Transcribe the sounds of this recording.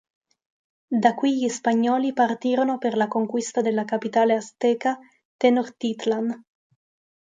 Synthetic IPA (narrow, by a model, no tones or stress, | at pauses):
d̪akːwiʎispaɲːɔːlipart̪iːɾonoperlakoŋkwist̪ad̪elːakapit̪aːleast̪ɛːka | t̪ɛnort̪it̪land̪